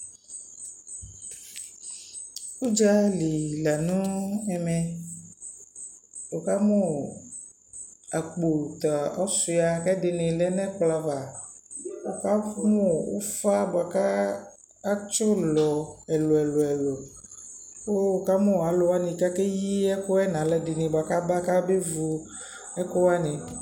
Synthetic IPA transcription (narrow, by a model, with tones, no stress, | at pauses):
wu˦d͡ʒa˦li˨la˨nũ˦ɛ˨mɛ̃˨ | wo˨ka˦mɔ̃˦ | a˨k͡po˨t̪a˨ɔ˦su˨˦a˨kɛ˦de˨nẽ˨lɛ˦nɛ̃˦k͡pla˨va˨ | wo˨ka˦mõ˦wo̰˦fa˦bo˨a˨kaː˦ | t͡ʃɔ˦lɔ˨ɛ˨lo˨ɛ˨lo˨ɛ˨lo˨ | wo˦wo˨ka˦mõ˦˨a˨lo˨wa˦nĩ˨ka˦ke˦ji˦ɛ˦ko˦ɛ˦nã˨lɛ˦dɪ˨nĩ˨bo˨a˨ka˦ba˦ka˦be˦vu˨ | ɛ˦ko˦wa˦nĩ˨